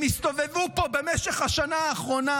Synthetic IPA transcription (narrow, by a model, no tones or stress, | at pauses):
mist̪o̞ve̞vupo̞be̞meʃeχhaʃanaːχʁo̞na